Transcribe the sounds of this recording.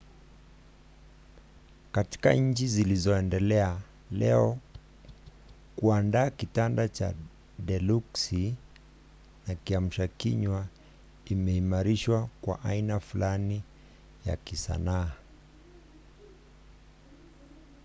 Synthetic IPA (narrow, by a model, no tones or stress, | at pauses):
kati̥ka̰ɲ̩t͡ʃizilizɔɛndɛlɛa | lɛɔ | kuandaːkitandat͡ʃa̰ | dɛluksi | nakiam̩ʃakiɲwa | imɛimaɾiʃwakwa̰ʔainafulani | ja̰kisa̰naː